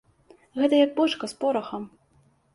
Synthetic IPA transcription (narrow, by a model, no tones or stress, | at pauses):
ɣɛt̪ɐjɐk̚bɔt͡ʂkɐspɔɾɐxɐm